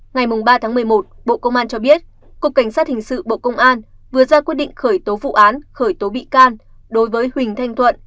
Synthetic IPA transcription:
ŋa˨˩jmʊ˨˩ŋ͡mɓaː˧t̪ʰaː˨˦ŋmɨ˨˩əjmo˨˩t̚ɓo̰˧˨kə˧wŋ͡mʔaː˧nt͡ɕɔ˧ɓi˦˥ət̚ | kwəkːa˧˩ŋ̟saː˦˥t̚hï˨˩ŋ̟sɨ̰˧˨ɓo̰˧˨kə˧wŋ͡mʔaː˧n | vɨ˨˩əzaː˧kwi˦˥t̚ɗḭ˧˨ŋ̟xəː˧˩jt̪o˨˦vṵ˧˨ʔaː˨˦nxəː˧˩jt̪o˨˦ɓḭ˧˨kaː˧n | ɗo˨˦jvəː˨˦jhwï˨˩ŋ̟t̪ʰa˧jŋ̟t̪ʰwə̰˧˨n

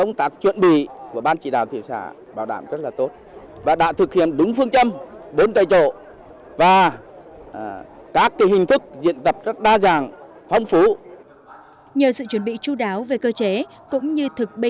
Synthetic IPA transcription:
ə˧wŋ͡mt̪aː˨˦˥k̚t͡ɕwə̰˧˨nɓḭ˧˨ku˧˩əɓaː˧nt͡ɕḭ˧˩ɗa̰ː˨˩wt̪ʰi˨˧˩əmsa̰ː˧˩ | ɓaː˧˩wɗaː˧˩mzə˦˥t̚laː˨˩t̪o˦˥t̚ | vaː˨˩ɗa̰ː˧˨t̪ʰɨ˨˩k̚hḭ˧˨əmɗʊ˨˦ŋ͡mfɨ˧əŋt͡ɕə˧mɓo˨˦nt̪a˨˩jt͡ɕo̰˧˩˨ | vaː˨˩ | kaː˦˥kːaː˨˦jhï˨˩ŋ̟t̪ʰɨ˦˥k̚zḭ˧˨ənt̪ə˨˩p̚zə˦˥t̚ɗaː˧zaː˨˩ŋ | fɔ˧wŋ͡mfu˨˦ | ɲəː˨˩sɨ̰˧˨t͡ɕwə˨˦nɓḭ˧˨t͡ɕu˧ɗaː˨˦wve˨˩kəː˧t͡ɕe˨˦ | kʊ̰˧˥ŋ͡mɲɨ˧t̪ʰɨ˨˩k̚ɓi˧

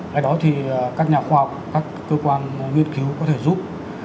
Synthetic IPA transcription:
ʔaː˧˩jɗɔ˨˦t̪ʰi˨˩kaː˦˥k̚ɲaː˨˩xwaː˧hɔ˨˩wk͡p̚kaː˦˥kːəː˧kwaː˧nŋḭ˧˨ənki˨˦wkɔ˨˦t̪ʰe˧˩zu˦˥p̚

